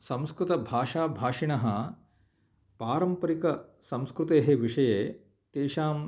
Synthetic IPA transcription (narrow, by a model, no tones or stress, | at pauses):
sɐ̃mskɾut̪ɐbʱaːʂaːbʱaːʂiɳɐɦɐ | paːɾɐmpɐɾikɐsɐ̃mskɾut̪eːɦeʋiʂɐjeː | t̪eːʃaːm